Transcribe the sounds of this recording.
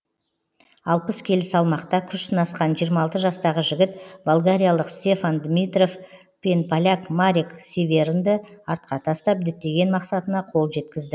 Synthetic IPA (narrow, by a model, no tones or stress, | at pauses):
ɑlˠpəskʲʰe̞lɪsɑlˠmɑqt̪ɑkʲʰʏʃt̪ənɑsqɑnʒijəɾmɑlˠt̪əʒɑst̪ɑʁəʒɪɡʲɪt̪bolˠɡaɾʲijalˠəqst̪ʲe̞fand̪mʲit̪re̞f | pʲenpalʲakmaɾiksevʲe̞ɾnd̪ɪɑɾt̪̚qɑt̪ʰɑst̪ɑp̚d̪ɪt̪ːe̞ɡʲe̞nmɑqsɑt̪ənɑqʰo̞lˠʒe̞t̪kʲɪzd̪ɪ